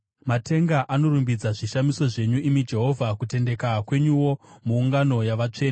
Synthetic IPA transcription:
matʰe̞ŋɡaʔano̞ɾumbid͡zaʐiʃamiso̞ʐe̞ɲuimid͡ʒe̞ɦo̞vʱakute̞nde̞kakwe̞ɲuwo̞muːŋɡano̞jaʋat͡ʂe̞ːne

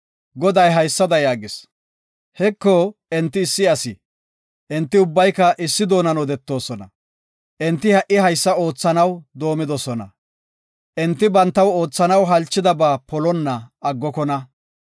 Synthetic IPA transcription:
ɡɔd̪ɐjɦɐjsːɐd̪ɐjaːɡɪs | hɛkːɔɛnt̪ːɪːsːɪɐsɪ | ʔɛnt̪ːɪʊbːɐjkːɐʔɪsːɪd̪o̞ːnɐnɔd̪ɛt̪ːo̞ːsɔnɐ | ʔɛnt̪ːɪhɐʔɪhɐjsːɐo̞ːt͡sːɐnɐwd̪o̞ːmɪd̪ɔsɔnɐ̰ | ʔɛnt̪ːɪbɐnt̪ːɐwo̞ːt͡sːɐnɐwɦɐlt͡ʃːɪd̪ɐbaːpɔlɔnːɐɐɡːɔkɔnɐ

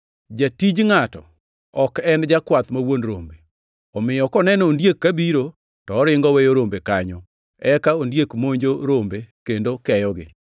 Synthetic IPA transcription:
d͡ʒatid͡ʒŋatɔ̰ | ɔkɛnd͡ʒakwat̪mawonɾombe | ɔmɪjɔkɔnɛnɔːndjekːabiɾo | tɔːɾɪŋɡɔwejoɾombekaɲɔ | ɛkaondjekmoɲd͡ʒoɾombekendokɛjɔɡɪ̰

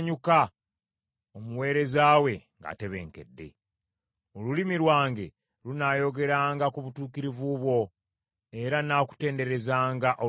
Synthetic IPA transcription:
ɲuka | omuwe̞ːɾe̞zaːwe̞ŋɡa̰te̞βe̞̰ːŋke̞̰dːe̞̰ | olulimiɾwaːŋɡe̞ | lunaːjo̞ɡe̞ɾaːŋɡakuβutuːkiɾivuβwo̞ | e̞ɾanaːku̥te̞ːnde̞ɾe̞zaːŋɡaʔo

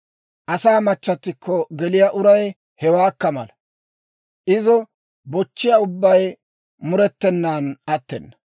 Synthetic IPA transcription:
ʔɐsaːmɐt͡ʃːɐt̪ːɪkːɔɡɛlɪjaʔʊɾɐj | hɛwaːkːɐmɐ̰lɐ | ʔɪzɔ | bɔt͡ʃːɪjaʊbːɐj | mʊɾɛt̪ːɛnːaːnɐt̪ːɛnːɐ̥

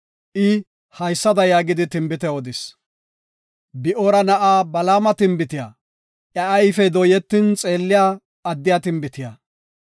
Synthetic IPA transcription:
ʔɪ | hɐjsːɐd̪ɐjaːɡɪd̪ɪt̪ɪmbɪt̪ɛɔd̪ɪs | bɪʔoɾɐnɐʔaːbɐlaːmɐt̪ɪmbɪt̪ɪja̰ | ʔjɐɐjfɛd̪ɔjɛt̪ːɪnt͡sʼe̞ːlːɪjaː | ɐd̪ːɪjaːt̪ɪmbɪt̪ɪja

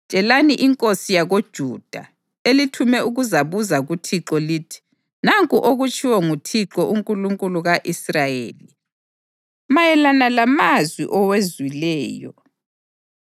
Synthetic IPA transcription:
t͡ʃʼɛlaniʔiŋkʼosijaɣod̥ʒ̥ʱud̥ʱa̰ | elitʰumɛuɣuzaβuzaɣutʰiǁɔliːtʰi̥ | naŋkʼuʔoɣut͡ʃʰʼiwɔŋutʰiǁɔʔuŋkʼuluŋkʼuluɣaʔisrajḛːli | majɛlanalamazwḭʔɔwezwilɛːjɔ̰

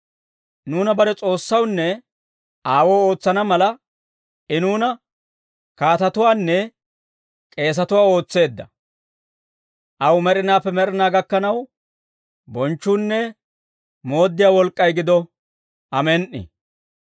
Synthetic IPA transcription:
nuːnɐbɐɾɛt͡sʼo̞ːsːɐwnːɛ | aːwo̞ːo̞ːt͡sːɐnɐmɐlɐ | ʔɪnuːnɐ | kaːt̪ɐt̪ʊwaːnːɛ | kʼe̞ːs̬ɐt̪ʊwaːo̞ːt͡sːe̞ːd̪ːɐ | ʔɐwmɛɾɪnaːpːɛmɛɾɪnaːɡɐkːɐnɐw | bɔnt͡ʃːuːnːɛ | mo̞ːd̪ːɪjaːwɔlkʼːɐjɡɪd̪ɔ | ʔɐmɛnʔɪ̰

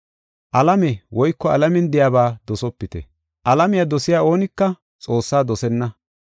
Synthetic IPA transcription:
ʔɐlɐmɛwɔjkːɔɐlɐmɛnd̪ɪjaːbaːd̪ɔsɔpːɪt̪ɛ̰ | ʔɐlɐmɪjad̪ɔsɪjaːo̞ːnɪkːɐ | t͡sʼo̞ːsːaːd̪ɔsɛnːɐ

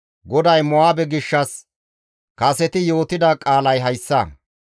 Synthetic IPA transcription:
ɡɔd̪ɐjmɔwaːbɛɡɪʃːɐs | kɐsɛt̪ɪjo̞ːt̪ɪd̪ɐkʼaːlɐjɦɐjsːɐ

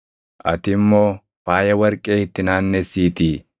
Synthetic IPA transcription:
ʔɐt̪ɪmːo̞ː | faːjɐwɐɾkʼeːɪt̪ːɪnaːnːɛsiːt̪i

